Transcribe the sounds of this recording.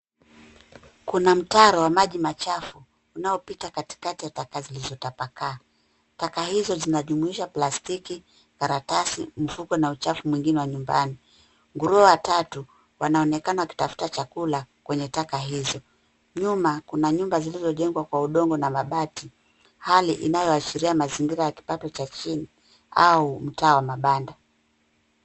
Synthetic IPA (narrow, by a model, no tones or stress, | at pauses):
kunam̩taɾawamaʄimat͡ʃafuː | naɔpitakati̥katijatakazilizɔtapakaː | takahizɔzinaʄumuiʃaplastiki | kaɾatasim̩fukɔnaut͡ʃafumwiŋɡinɛwaɲumba̰ni | ŋɡuɾuɔwatatu | wanaɔnɛkanawaki̥tafu̥tat͡ʃakulakwɛɲɛtakaɦizɔ | ɲumakunaɲumbazilizɔʄɛŋɡwakwauɗɔŋɡɔnamaɓati | haliʔinajɔaʃiɾiamaziŋɡiɾajaki̥patɔt͡ʃat͡ʃini | a̰um̩taːwamaɓanda